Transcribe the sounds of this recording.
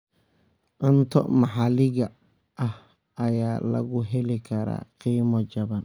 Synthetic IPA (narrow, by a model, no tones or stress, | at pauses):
ʔɐnt̪ʰɔ̰mɑħɑlɪɣɐ | ʔɐh | ɐjaːlɐ̰ɣʊɦɛlɪkʰɐɾa̰ːqiːmɔt͡ʃɐβɐn